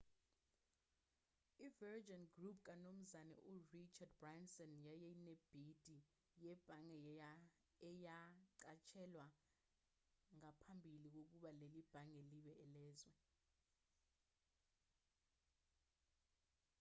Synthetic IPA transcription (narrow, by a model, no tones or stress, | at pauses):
ivɛrd͡ʒanɡrupʰk̬anom̩zanɛ̰ʔurit͡ʃʰad̚bransɔnjajɛneb̥ʱid̥ʱi | jɛb̥ʱaŋɛ | ɛjaǀat͡ʃʰɛlwa | ŋapʰambʱilik̬ok̬uɓalelib̥ʱaŋɛliɓɛʔɛlɛːzwɛ